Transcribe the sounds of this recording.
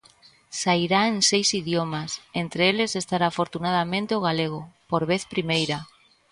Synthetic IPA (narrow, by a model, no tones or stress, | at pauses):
saiɾaeŋsejsiðjomasent̪ɾeelesest̪aɾaːfoɾt̪unaðamẽnt̪eoɣ̞aleɣ̞opoɾβeθpɾimejɾa